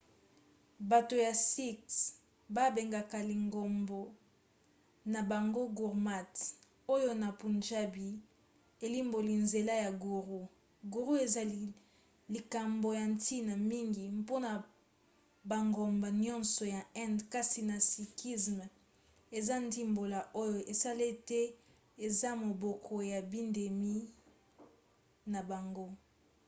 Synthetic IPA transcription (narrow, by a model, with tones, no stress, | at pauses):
ba˨to˨ja˨si˦ks | ba˦be˨ŋɡa˨ka˨li˨ŋɡo˨mbo˨ | na˨ba˨ŋɡo˦ɡu˨ʁma˦t | o˦jo˦na˨pu˨nd͡ʒa˦bi˨ | e˨li˦mbo˨li˨nze˨la˦ja˨ɡu˨ʁu˦ | ɡu˨ʁu˦e˨za˨li˦ | li˨ka˨mbo˨ja˨ntʰi˦na˨mi˦ŋɡi˨mpo˦na˨ | ba˨ŋɡo˨mba˨nɔ̃˦nsɔ˨ja˨ɛ̃˦ndka˦si˨na˨si˨ki˦sm˨ | e˨za˦ndi˦mbo˨la˨ʔo˦jo˨ʔe˨sa˦le˦tɛ˦ | e˨za˦mo˨bɔ˨kʰo˨ja˨bi˦nde˨mi˦ | na˨ba˨ŋɡo˦